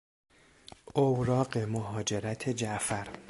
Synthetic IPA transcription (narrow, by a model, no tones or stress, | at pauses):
ʔowɾɒːɢe̞moɦɒːd͡ʒe̞ɾæt̪ʰe̞d͡ʒæʔfæɾ